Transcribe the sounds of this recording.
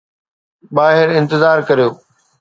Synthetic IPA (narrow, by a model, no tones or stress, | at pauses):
ɓaːɦɪɾɪ̃nt̪ɪzaːɾkɐɾijoː